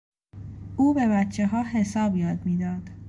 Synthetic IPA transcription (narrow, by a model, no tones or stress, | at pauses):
ʔuːbe̞βæt̪t͡ʃʰːeɦɒːɦe̞sɒːbjɒːd̪miːd̪ɒːd̪̥